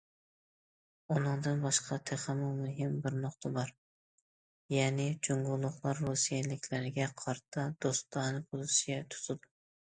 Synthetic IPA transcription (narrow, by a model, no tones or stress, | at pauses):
ʊnɨŋd̪ɨnbɑʃqʰɑt̪ʰeχɨmɑmʊɦɪmbɪɾnʊqt̪ʰabɑɾ | jæːnɪd͡ʒoŋɡʊlˠːʊχlˠɑɾːusijɛlɪkʲlæɾɪɡʲɛqʰɑɾt̪ʰɑd̪̥ost̪ːɑnɨbʰʊlˠɪʃɪjʲɛt̪ʰʊ̥t̪ʰɨd̪ʊ